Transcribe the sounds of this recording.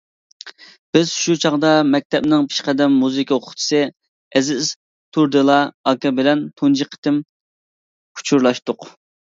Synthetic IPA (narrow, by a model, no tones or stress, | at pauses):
b̥ɪz̥ʃut͡ʃʰɑʁd̪ɑmɛk̚ʲt̪ʰɛp̚nɪŋpʰi̥ʃqɛd̪ɛmːuzɨkʲʰɑoqʰʊ̥χt͡ʃ̪ʰɨ̥sɨ | ɛzɪz | t̪ʰuɾd̪ɨlˠɑɑkɑbɪlɛnt̪ʰund͡ʒiqʰːə̥t̪ɪm | kʰu̥t͡ʃʰuɾlˠɑʃt̪ʊq